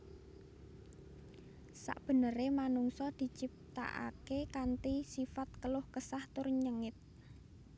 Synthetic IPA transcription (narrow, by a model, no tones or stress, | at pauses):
sa̰ʔb̥ə̤nəɾemanuŋsɔd̪̥i̤t͡ʃip̚t̪a̰ʔa̰kekant̪isifat̪̚kəlʊhkəsaht̪ʊrɲəŋɪt̪̚